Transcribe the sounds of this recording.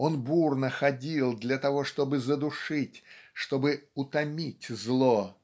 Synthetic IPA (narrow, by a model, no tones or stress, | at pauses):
o̞nburnəxɐdʲilˠd̪lʲɐt̪ɐvo̞ʂt̪o̞bɨzəd̪ʊʂɨtʲʂt̪o̞bɨʊt̪ɐmʲitʲzlˠo